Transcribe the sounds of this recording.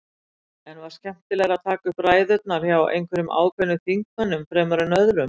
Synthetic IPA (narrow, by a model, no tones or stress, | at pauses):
ɛnvaɾ̥scʰɛm̥t̪ɪlɛɣɾaðt̪ʰaːkʏhpɾaːjðœt̪̚naɾ̥çawʔḛjnkʰvɛɾʏmʔa̰ːwkʰœnːʏθiŋkmanːʏmfɾɛːmaɾʏnœðɾʏm